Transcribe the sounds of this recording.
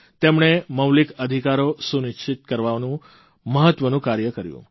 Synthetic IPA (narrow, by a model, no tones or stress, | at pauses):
t̪emɳ̃eməwlikəd̪ʱikaɾosunɪʃt͡ʃʰɪt̪̚kəɾʋanũ | məɦət̪ʋənũkaɾjəkəɾjṵ̃